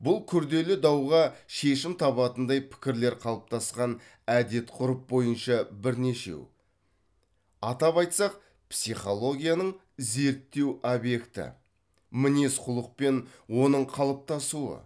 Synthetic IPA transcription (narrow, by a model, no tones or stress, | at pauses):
bʊlˠkʲʰʏɾd̪e̞lɪd̪ɑwʁɑʃe̞ʃɪmt̪ʰɑβɑt̪ənd̪ɑjpʰɪ̥kʲɪɾle̞ɾqʰɑlˠəp̚t̪ɑsqɑn | æd̪e̞t̪qʰʊɾəp̚bo̞jənʃɑbɪɾne̞ʃe̞̰w | ɑt̪ɑpɑjt̪sɑq̚ | psijχo̞lˠo̞ɡʲijanəɴ | ze̞ɾt̪ːe̞wobje̞kt̪ɪ̰ | mɪne̞sqʰʊlˠəq̚pe̞nwo̞nəɴqʰɑlˠəp̚t̪ɑsuə̰